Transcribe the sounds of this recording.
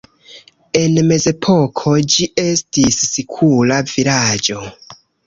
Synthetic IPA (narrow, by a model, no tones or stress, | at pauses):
e̞nme̞ze̞pʰo̞kʰo̞d͡ʒie̞stisːikʰulavilad͡ʒo̞